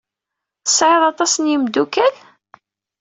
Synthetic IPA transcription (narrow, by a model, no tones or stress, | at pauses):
θə̥sːʕeðˤɑt̪ˤɑsənjimd̪ukæl